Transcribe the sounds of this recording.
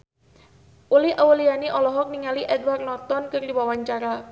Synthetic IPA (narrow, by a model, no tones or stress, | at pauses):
ʔulɪhʔawulianiʔɔlɔɦɔk̚niŋaliʔɛdwarnɔt̪ɔnkɨrdiwawaɲt͡ʃaɾa